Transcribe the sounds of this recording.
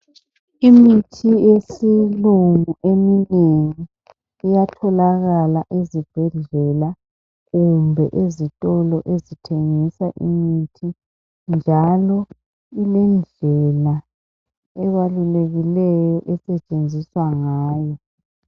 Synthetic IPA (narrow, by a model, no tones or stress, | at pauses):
imitʰijesiluŋuʔemineŋiː | jatʰɔlaɣalaʔezib̥ʱɛɮɛla | ɣumbʱɛʔezitʼɔlɔʔezitʰeŋisaʔḭmitʰi | nd͡ʒʱalɔ | ilɛnd͡ɮʱɛla | ɛβaluleɣilɛjɔʔɛsɛt͡ʃʼend͡zʱiswaŋaːjɔ